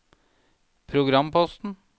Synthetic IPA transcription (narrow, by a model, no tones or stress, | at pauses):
pʰɾʊɡɾɑmpʰɔst̪n̩